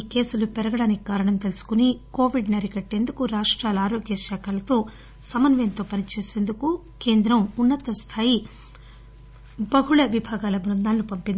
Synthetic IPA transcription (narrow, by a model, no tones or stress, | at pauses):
iːke̞ːsulupɛɾɐɡɐɽaːnikikaːɾɐɳɐmt̪e̞lusu̥kuniko̞ːʋiɖnɐɾikɐʈːe̞ːnd̪ukuɾaːʂʈɾaːlɐaːɾo̞ːɡjɐʃaːkaːlɐt̪o̞ː | sɐmɐnʋjɐnt̪o̞ːpɐnit͡ʃe̞ːse̞ːnd̪uku | ke̞ːnd̪ɾɐmunːɐt̪ɐst̪ʰaːji | bɐɦuɭɐʋibʱaːɡaːlɐbɾɐnd̪aːlnupɐmpind̪i